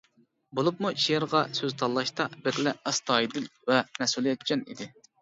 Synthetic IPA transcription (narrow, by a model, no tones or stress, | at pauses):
bolˠup̚muʃijɪɾʁɑsøzt̪ʰɑlˠːɑʃt̪ɑbɪɾlɛæst̪ɑːid̪ɪnvɛnɛsulˠjɛt̪t͡ʃʰʲɛnḭd̪ɪ